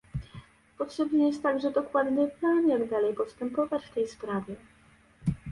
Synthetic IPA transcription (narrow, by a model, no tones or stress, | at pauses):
pɔtʂɛbnɛjɛst̪ːaɡʐɛd̪ɔkwad̪nɘplanjaɡd̪alɛjpɔst̪ɛmpɔvat͡ɕft̪ɛjspɾavʲjɛ